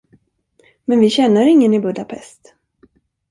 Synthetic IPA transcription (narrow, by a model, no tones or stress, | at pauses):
mɛnvɪɕɛnːəɾɪŋːənɪbɵd̪apʰɛst̪